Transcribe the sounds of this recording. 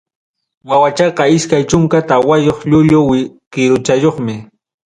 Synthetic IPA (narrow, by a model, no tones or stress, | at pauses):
wawat͡ʃɑqɑɪskajt͡ʃʊŋkat̪awajoχʎʊʎʊwɪkɪɾʊt͡ʃajoχmɪ